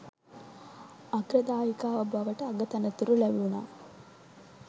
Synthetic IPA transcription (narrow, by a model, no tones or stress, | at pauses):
ɐɡɾɐd̪aːjikaːɐbɐʋɐʈɐːɡɐt̪ɐnɐt̪uɾulɐʋiuna̰ː